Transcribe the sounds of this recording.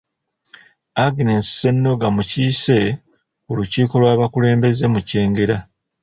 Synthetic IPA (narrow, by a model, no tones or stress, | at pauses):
aɡinensi̥se̞nːo̞ɡamuciːse̞ | oluciːko̞lwaːβakule̞ːmbe̞ze̞muce̞ːŋɡe̞ɾa